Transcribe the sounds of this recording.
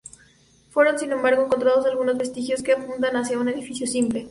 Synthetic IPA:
fwe̞ɾonsinẽ̞mbaɾɣo̞eŋkont̪ɾaðo̞s̬alɣunozβe̞st̪ixjo̞skeapunt̪̬anasjaune̞ðifisjo̞simple̞

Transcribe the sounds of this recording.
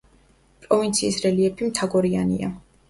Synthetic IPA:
pʼɾɔvint̪sʰiːsɾɛliɛpʰimt̪ʰaɡɔɾianḭa̰

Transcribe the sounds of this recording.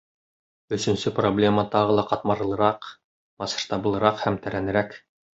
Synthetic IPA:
ɵ̆sɵ̆nsɵproblʲe̞mɑt̪ɑʁɤ̆lˠɑqɑt̪mɑɾɤ̆lˠɤ̆ɾɑq | mɑsɤ̥̆ʃt̪ɑbɤ̆lˠɤ̆ɾɑqhæmt̪æɾænɘ̆ɾæk

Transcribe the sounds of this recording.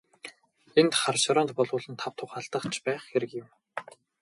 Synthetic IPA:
ent̪χarʃaɾɔːnt̪̚pɔɮʊːɮə̆nt̪ʰawt̪ʰʊχaːɮt̪ə̆χt͡ɕʰpæːχxeɾɘ̆kjɪ̆m

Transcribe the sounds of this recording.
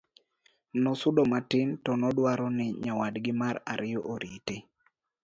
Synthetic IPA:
nɔsʊdɔmatɪntɔnɔdwaɾɔnɪɲawadɡɪmaɾa̰ɾʔɪjɔʔoɾʔite

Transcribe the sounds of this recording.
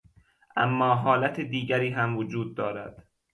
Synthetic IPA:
ʔæ̰mːɒːɦɒːlæt̪ʰed̪iːɟæɾiːɦæmvod͡ʒuːd̪̚ːɒːɾæd̪̥

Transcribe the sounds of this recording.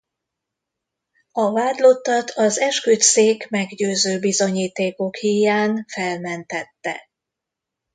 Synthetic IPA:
ɒvaːd̪lo̞t̪ːɒt̪ʰɒzɛʃkyt̪seːkmɛɡɟøːzøːbizo̞ɲiːt̪eːko̞khijaːnfɛlmɛnt̪ɛt̪ːɛ̰

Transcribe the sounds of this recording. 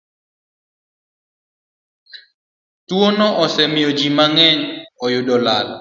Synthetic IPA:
t̪uonɔʔɔsɛmiod͡ʒimaŋɛɲɔjodɔlal

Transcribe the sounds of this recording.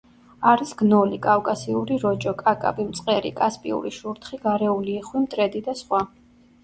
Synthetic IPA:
aɾisɡnɔlikʼafkʼasiuɾiɾɔd͡ʒɔkʼakʼa̰bimt̪sʼqʼɛɾḭkʼaspʼḭṵɾiʃuɾt̪ʰχiɡaɾɛuliːχwimt̪ʼɾɛd̪id̪asχwa

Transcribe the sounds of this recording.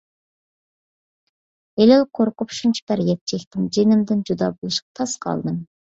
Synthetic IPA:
elɪlqʰoɾqʊpʃunt͡ʃʰi̥bæɾjɛt̪t͡ʃʰɛkʲt̪ɪmd͡ʒenɪmd̪ɪnd͡ʒud̪ɑ̰ːbolˠɨʃqɑ̥t̪ʰɑsqʰɑ̰lˠd̪ɨm

